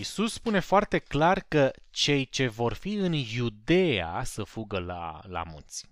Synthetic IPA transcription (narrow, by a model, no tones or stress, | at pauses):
isusːpune̞foart̪e̞klarkət͡ʃe̞jt͡ʃe̞vo̞rfiɨnjud̪e̞a̰səfuɡəla̰la̰munt̪sʲ